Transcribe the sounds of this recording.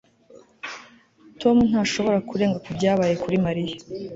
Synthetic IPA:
to̞mun̥haːʃo̞βo̞ɾakuɾeːŋɡakubɟaːβaːje̞kuɾimaɾija

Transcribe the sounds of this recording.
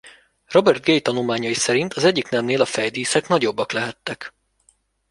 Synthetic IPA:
ro̞bɛrt̪̚ɡejt̪ɒnulmaːɲɒjisɛɾint̪ʰɒzɛɟːiknɛmneːlɒfɛjd̪iːsɛknɒɟo̞bːɒklɛɦɛt̪ːɛk

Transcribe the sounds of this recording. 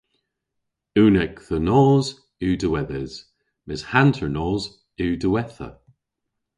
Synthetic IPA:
uːnɛkðənɔːz | ʉːdəwɛðɛz̥ | mɪz̥hantʰəɹnɔːz | ʉːdəwɛθə̰

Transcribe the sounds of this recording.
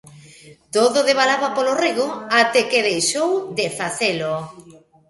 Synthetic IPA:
t̪oðoðeβalaβapoloreɣoat̪ekeðejʃowd̪efaθelo

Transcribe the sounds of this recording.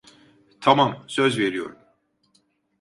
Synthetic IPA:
t̪ʰamamsøzveɾijo̞̰ɾum

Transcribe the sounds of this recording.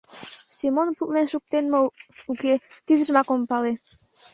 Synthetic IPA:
simonput̪lenʃuk̚t̪enməuket̪izə̆ʒmɑkompɑle

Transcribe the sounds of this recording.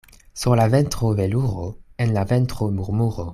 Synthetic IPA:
suʁlavɛnt̪χoveluʁoenlavɛnt̪χomuʁmuʁo

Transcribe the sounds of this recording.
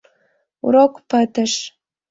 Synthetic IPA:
ṵɾokpət̪əʃ

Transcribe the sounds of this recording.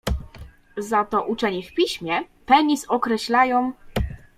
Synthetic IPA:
zat̪ɔʔut͡ʂɛɲɛfpʲiɕmʲjɛpɛɲʲisɔkɾɛɕlajɔ̃w̃

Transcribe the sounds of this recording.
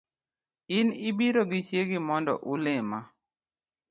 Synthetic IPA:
ɪnɪbiɾoɡɪt͡ʃjeɡɪmɔndɔ̰ʔʊlɪma

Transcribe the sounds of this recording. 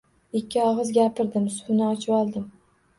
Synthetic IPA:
ɪkʲːɪɒʁɨzɡʲapʰɪɾd̪ɪmsʊ̥hʊnɪɒt͡ʃʰɪbɒlˠd̪ɪm

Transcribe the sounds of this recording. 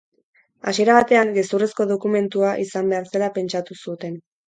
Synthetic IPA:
asie̞ɾaβ̞at̪e̞aŋɡe̞suresko̞ðo̞kume̞nt̪uaʔisambe̞aɾse̞lape̞nt͡ʃat̪usut̪e̞n

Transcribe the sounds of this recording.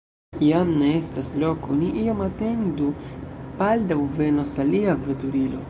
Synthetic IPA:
ijamneestaslokoniʔiomate̞ndupaldawve̞nosaliavetuɾilo̞̰

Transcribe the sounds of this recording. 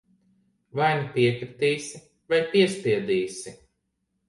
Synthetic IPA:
vajnipiɛkɾit̪iːsi | vajpiɛspiɛd̪iːsi

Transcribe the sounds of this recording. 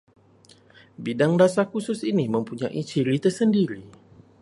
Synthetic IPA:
bidaŋdasakusʊsinimə̃mpuɲaʔit͡ʃiɾit̪ərsəndiɾi

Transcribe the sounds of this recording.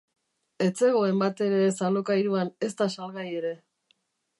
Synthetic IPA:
e̞t͡se̞ɣ̞o̞e̞mbat̪e̞ɾe̞salokajɾuane̞st̪asalɣaje̞ɾe̞

